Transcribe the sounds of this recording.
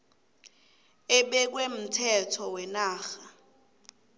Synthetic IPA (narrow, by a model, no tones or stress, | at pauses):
ɪɓɛk̬wem̩tʰɛtʰɔwɛnaːxa